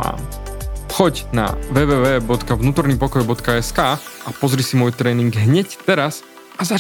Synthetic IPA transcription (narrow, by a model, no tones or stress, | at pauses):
a̰ːnxɔɟna̰ʋɛːʋɛːʋɛːbɔt̪kavnuːt̪ɔɾniːpɔkɔjbɔt̪kaɛskaːʔapɔzɾisimɔjt̪ɾɛːniŋɡɦɲɛct̪ɛɾas | aza